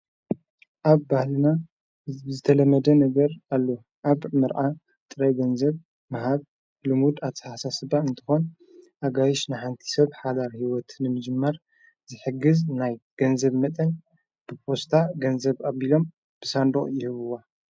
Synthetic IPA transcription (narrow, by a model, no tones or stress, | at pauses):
ʔaβːahlɨna | ɨzbzɨt̪ʰɐlɐmːɐd̪ɐnɐɡɐɾalːo | ʔaβmɨɾʕa | t̪ʼɨɾɐjɡɐnzɐβ | mɐɦaβ | lɨmud̪at̪ʰɨħasasɨbaɨnt̪ʰɨ̥xo̞n | ʔaɡajɪʃnaħant̪ʰi̥sɐβħad̪aɾhiwɔt̪nɨmɨd͡ʒɨmːɐɾ | zɨħɨɡːɨznajɡ̥ɐnzɐβmɐt̪ʼɐn | b̥ɨpʰo̞st̪ʰaɡɐnzɐβaβilo̞m | b̥ɨsand̪oχʼjɪhɨβɨwa